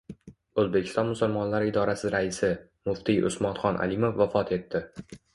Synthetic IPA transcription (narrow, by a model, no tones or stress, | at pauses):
ozbekʲʰɪ̥st̪ɒnmʊsʊlmɒnlaɾɪɪd̪ɒɾasɪɾaɪsɪ | mʊft̪ʰijʔʊ̰smɒt̪χɒnʔa̰limo̞fːafɒt̪ʰe̞t̪ʰːɪ